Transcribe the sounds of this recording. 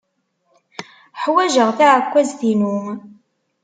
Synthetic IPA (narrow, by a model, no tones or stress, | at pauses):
ħwæʒəʁθiʕəkʷːæzθinum